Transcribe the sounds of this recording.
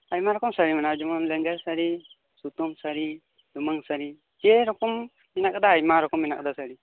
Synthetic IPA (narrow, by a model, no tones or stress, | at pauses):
ajmaɾɔkɔmsaɾimanad͡ʒɔmɔnlɛŋɡɛɾsaɾi | sut̪umsaɾi | d̪umaŋsaɾi | kɛɾɔkɔmː | inakd̪aːjmaɾɔkɔmːinak̚d̪asaɽi